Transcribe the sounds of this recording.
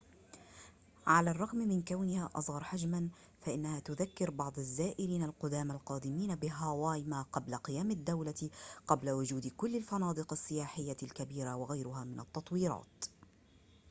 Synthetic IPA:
ʕalaːrˤːɑɣmmɪnkawnɪhaːʔɑ̰sˤɣɑɾˤħad͡ʒman | faʔɪnːahaːt̪ʊðakːɪɾbɑʕd̪ˤazːaːʔɪliːnalqʊd̪aːmalqɑːd̪ɪmiːnabɪɦawaːjmaqɑblaqɨjaːmad̪ːawlaqɑblawʊd͡ʒuːd̪kʊlːalfɑnɑːd̪ˤɨqasːɪjaːħɪjːalkabiːɾawaɣajɾʊɦaːmɪnɑt̪ːɑt̪ˤwiːɾɑ̰ːt̪

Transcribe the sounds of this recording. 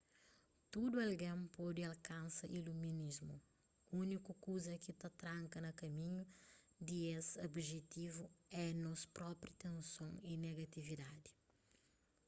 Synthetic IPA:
t̪ud̪uɐlɡẽmpɔd̪iɐlkɐ̃nsɐʔiluminizmṵ | unikukuzɐkit̪ɐt̪ɾãŋkɐnɐkɐmĩɲu | d̪iesobʒet̪ivuɛnɔspɾɔpɾit̪ẽnsõŋineɡɐt̪ivid̪ad̪i̥

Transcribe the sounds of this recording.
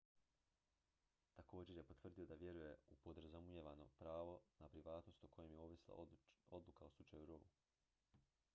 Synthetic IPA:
t̪ako̞ːd͡ʑe̞ɾje̞po̞t̪ʋrd̪io̞d̪aʋje̞ɾuje̞upod̪rzamujeʋano̞pɾaːʋo̞napɾiʋaːt̪no̞st̪ukʰo̞jemjeoːʋislˠa̰o̞d̪lˠukaoslut͡ʃajuɾou

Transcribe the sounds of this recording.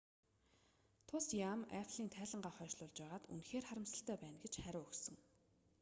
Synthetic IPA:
t̪ʰʊsjamæ̰ɮiːnt̪ʰæːɮə̆ɴɢaːχœːʃɮʊːɮt͡ɕpæːʁaːt̪ṵnxeːrχaɾə̆msə̆ɬt̪æːpæːnɡet͡ɕχæɾʊːɵxsɵ̆ŋ

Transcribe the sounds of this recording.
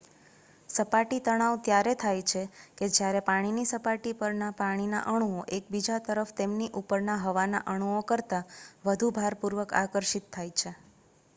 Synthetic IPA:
səpaʈit̪əɽ̃aʋt̪jaɾet̪ʰajt͡ʃʰeked͡ʒjaɾepaɽ̃inisəpaʈipəɾnapaɽ̃ina̰ʔəɽ̃uoʔek̚bid͡ʒat̪əɾəfʰt̪emniʔupəɾnaɦəʋana̰ʔəɽ̃uokəɾt̪aʋəd̪ʱubʱaɾpuɾʋəka̰kəɾʃit̪ʰːajt͡ʃʰe

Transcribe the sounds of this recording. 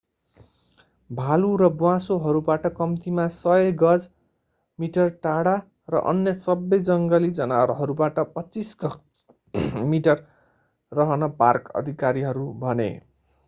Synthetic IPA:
bʱaluɾʌbwãsoɦʌɾubaʈʌkʌmt̪imasʌjʌɡʌd͡z | miʈʌrʈaɽa | rʌ̰ʔʌ̰njʌsʌbʌjd͡zʌŋɡʌlid͡zʌnaɾɦʌɾubaʈʌpʌt͡sisɡʌ | miʈʌrː | ʌɦʌnʌparkʌ̰d̪ʱikaɾiɦʌɾubʱʌnḛ

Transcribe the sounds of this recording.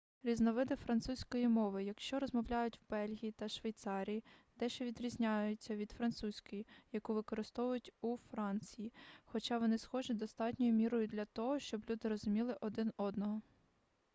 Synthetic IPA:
ɾʲiznɔʋɪd̪ɪfɾɐnt̪susʲkɔjimɔʋɪjɐkʃt͡ʃɔɾɔzmɔwlʲajʊtʲwbɛlʲɦʲijit̪ɐʃʋejt̪sɑɾʲijid̪ɛʃt͡ʃɛʋʲid̪ɾʲizʲnʲajʊt͡sʲːɐʋʲid̪̥fɾɐnt̪susʲkɔjijɐkuʋɪkɔɾɪst̪ɔʋʊjʊtʲufɾɑnʲt͡sʲijixɔt͡ʃɑʋɔnɪsxɔʒɪd̪ɔst̪ɑtʲnʲɔjʊmʲiɾɔjʊd̪lʲɐt̪ɔɦɔʃt͡ʃɔblʲud̪ɪɾɔzʊmʲilˠɪʔɔd̪ɪnɔd̪nɔɦɔ

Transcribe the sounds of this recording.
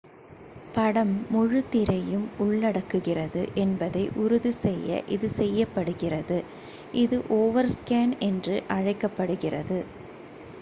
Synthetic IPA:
pɐɽɐmːʊɻɯt̪ːɪɾɐjɯmʊɭːɐɽɐkːɯɣɪrɐðɯ̰ʔɛnbɐðɐɪʔʊɾʊðisɛjːɐ̰ʔɪðɯsɛjːɐpːɐɽɯɣɪrɐðɯ | ʔɪðɯʔoːʋɐɾskaːnɛndrɯʔɐɻɐɪkːɐpːɐɽɯɣɪrɐðɯ

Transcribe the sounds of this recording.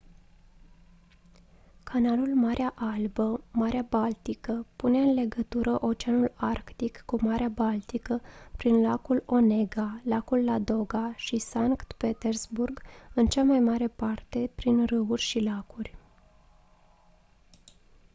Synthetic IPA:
kʰanalulmaɾʔeaʔalbəmaɾeabalt̪ikəpuneɨnle̞ɡət̪uɾʔəʔo̞t͡ʃeanularkt̪ikːumaɾʔeabalt̪ikəpɾinlakulo̞ne̞ɡalakulːad̪o̞ɡaʃisaŋkt̪pe̞t̪erzburɡɨnt͡ʃamajmaɾe̞part̪e̞pɾinrɨurʲʃilakurʲ

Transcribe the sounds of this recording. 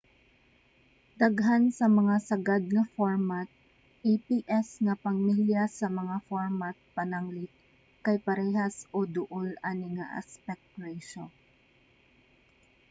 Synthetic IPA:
d̪ɐɡɦansɐmɐŋasɐɡad̪̚ŋɐfoɹmat̪̚ | epiʔɛsŋɐpɐŋmiljasɐmɐŋafoɹmat̪̚pɐnaŋlɪt̪̚ | kɐjpɐɾɛɦasʔod̪ʊʔolanɪŋa̰ʔɐ̰spɛk̚t̪ɹɛʃon

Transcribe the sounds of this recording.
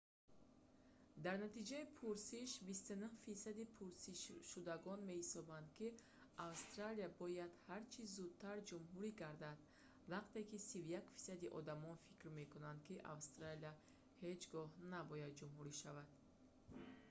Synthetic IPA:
d̪aɾnat̪id͡ʒaipʰuɾsiʃbist̪unuhfisad̪ipʰuɾsiʃʃud̪aɡɔnme̞hisɔband̪kʰi | avst̪ɾaliabɔjad̪haɾt͡ʃʰizud̪̚t̪ʰaɾd͡ʒumɦuɾiɡaɾd̪ad̪ | vaqt̪e̞kisivjakfi̥sad̪iʔɔ̰d̪amɔnfikɾme̞kunand̪kiʔa̰vst̪ɾalia | he̞d͡ʒɡɔhnabɔjad̪̚d͡ʒumɦuɾiʃavad̪̥

